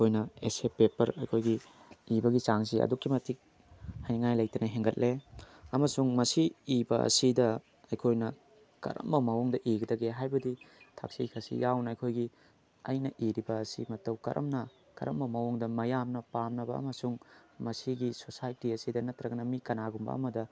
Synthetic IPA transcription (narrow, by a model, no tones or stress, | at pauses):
jkʰojnɐesepepɐɾɐ̰jkʰojɡiibɐɡit͡ʃaŋs̬iɐ̰dukːimɐtik̚ | hajnŋajlɐj̚tɐnɐɦeŋɡɐt̚lʔeɐmɐsuŋmɐsiibɐɐ̰sidɐ | ɐjkʰojnɐ | kɐ̰ɾɐ̰mːɐmɐwuŋdɐʔiɡɐdɐɡeɦajbɐditʰa̰k̚sijkʰɐsḭjawnɐɐjkʰojɡi | ɐjnɐʔiɾibɐːsimɐtɐwkɐ̰ɾʔɐ̰mnɐ | kɐ̰ɾɐ̰mːɐmɐwuŋdɐmɐjamnɐpamnɐbɐ̰ːmɐsuŋmɐsiɡisosajtiɐsidɐnɐt̪ɾɐɡɐnɐmikɐnaɡumbɐ̰ɐ̰mɐdɐ